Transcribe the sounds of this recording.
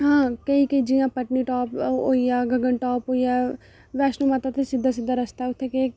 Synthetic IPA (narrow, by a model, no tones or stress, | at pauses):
ɦãːkəiːkəiːd͡ʒijãːpəʈniːʈɔːpo̰ːiːaːɡəɡəɳʈɔːpɦoːijaː | ʋɛːsnõːmat̪ãt̪esɪd̪ːaːsɪd̪ːaːɾəst̪aːʊt̪ʰːeːkeː